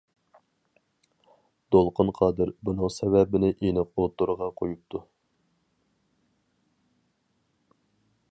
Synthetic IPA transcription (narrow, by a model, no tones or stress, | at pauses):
d̪̥olˠqʰʊnqʰɑːd̪ɨɾbunɨŋsɛvɛbɪnɪʔinɨqot̪ːuɾəʁɑqʰojup̚t̪ʰu